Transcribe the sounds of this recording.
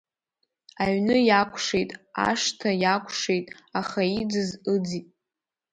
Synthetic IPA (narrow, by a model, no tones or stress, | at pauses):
aɥnɨjakʷʰʂejtʼa̰ʂtʰajakʷʰʼʂejtʼ | aχaid͡zɨzɨd͡zitʼ